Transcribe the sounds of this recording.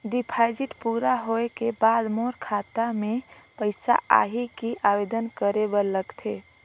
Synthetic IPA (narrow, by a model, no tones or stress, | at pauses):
ɖipʰaɪd͡ʒiʈpuɾaɦoekebad̪moɾkʰat̪amẽpəɪsa̰ʔa̰ɦikiʔaʋed̪ənkəɾebəɾləɡt̪ʰe